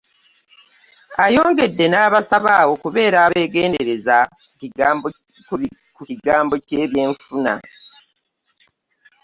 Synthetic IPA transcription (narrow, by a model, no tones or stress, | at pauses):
ajo̞ːŋɡe̞dːe̞naːβasaβawo̞kuβe̞ːɾaːβe̞ːɡe̞ːndeɾe̞za | u | kuciɡaːmbo̞ceːβje̞ːɱfuna̰